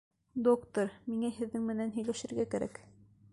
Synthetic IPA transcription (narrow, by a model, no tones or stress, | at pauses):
d̪okt̪oɾmiŋæhɘ̆ðːɘŋmɘ̆nænɦɵ̆jlæʃɘ̆ɾɡækæɾæ̰k